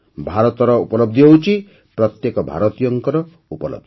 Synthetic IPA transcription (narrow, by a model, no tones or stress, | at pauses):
bʱaɾɔt̪ɔɾɔṵpɔlɔb̚d̪ʱibɔwt͡ʃʰi | pɾɔt̪jekɔbʱa̰ɾɔt̪ijɔŋkɔɾɔ | upɔlɔ̰b̚d̪i